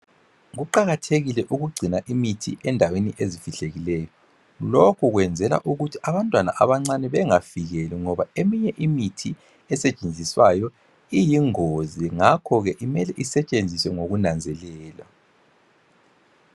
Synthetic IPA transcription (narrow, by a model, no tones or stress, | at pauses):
ɣuǃaɣatʰeɣilɛʔuɣuɡ͡ǀʱinaʔimitʰḭʔɛndʱaweniʔeziv̥iɬeɣilɛːjɔ | lokʰuɣwɛnd͡zʱɛla̰ʔuɣutʰiaβantʼwana̰ʔaβaŋ͡ǀanɛβɛŋaviɣɛlɛŋɔβaemiɲɛʔimitʰi | ɛsɛt͡ʃʼend͡zʱiswajɔ | ijiŋoziŋakʰɔɣɛʔimɛlɛʔisɛt͡ʃʼend͡zʱiswɛŋoɣunand͡zʱɛlɛːla